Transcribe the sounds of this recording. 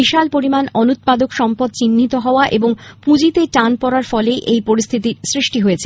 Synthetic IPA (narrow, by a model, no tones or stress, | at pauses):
iʃalpoɾimanɔnut̪̚pad̪okʃɔmpod̪̚t͡ɕinːit̪oɦɔoaʔeboŋpud͡ʑit̪eʈanpɔɾaɾfɔlejʔejpoɾist̪ʰit̪iɾsɾiʃʈiɦojet͡ɕʰe